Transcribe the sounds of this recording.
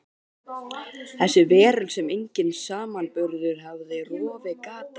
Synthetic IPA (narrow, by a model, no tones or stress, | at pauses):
θɛsːʏvɛːɾʏlsɛmejɲcɪnsaːmanpʏɾðʏɾ̥ɦavðɪrɔːvɪkaːt̪